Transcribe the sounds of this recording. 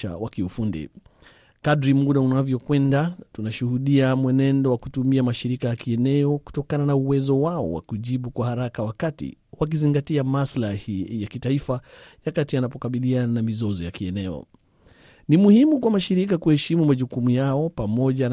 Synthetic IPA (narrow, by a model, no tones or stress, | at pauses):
a̰wakiufundḭ | kadɾimuɗaunavjɔkwɛndatunaʃuhuɗiamwɛnɛndɔwakutumiamaʃiɾikajakiɛnɛɔku̥tɔkananauwɛzɔwaɔ̰wa̰kuʄiɓukwahaɾakawakatḭwak̬iziŋɡatiamaslahijakitaifajakatianapɔkaɓiliananamizɔzɔjakiɛnɛɔ̰ | nimuhimukwamaʃiɾikakuhɛʃimumaʄukumujaɔpamɔʄan